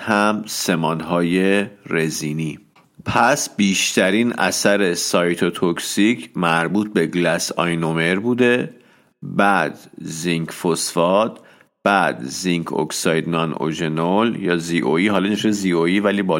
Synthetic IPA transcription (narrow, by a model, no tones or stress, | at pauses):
hæmse̞mɒːnɦɒːje̞ɾe̞ziːni | pʰæsbiːʃt̪ʰæɾiːnæ̰sæɾe̞sɒjt̪ʰot̪ʰoksicʰmæɾbuːt̪̚be̞ɡlæsɒ̰jnome̞ɾbuːd̪e̞ | bæd̪̥ziŋkfosfɒd̪̥ | b̥æd̪̥ziŋkʰo̰ksɒjd̪nɒno̰d͡ʒenoljɒːziʔoiːɦɒːlɒneʃezioivæliːbɒ